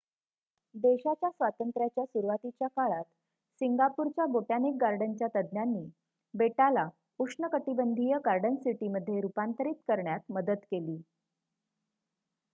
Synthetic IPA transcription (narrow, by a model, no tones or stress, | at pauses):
d̪eɕat͡ɕjasʋat̪ənt̪ɾjat͡ɕjasuɾʋat̪it͡ɕjakaɭat̪ | siŋɡapuɾt͡ɕjaboʈjanek̚ɡaɾɖənt͡ɕjat̪əd̪njanːiː | beʈala | ukʂɳəkəʈibənd̪ʱijəɡaɾɖənsiʈiməd̪ʱːjeɾupant̪əɾiːt̪kəɾɳjat̪məd̪ət̪keliː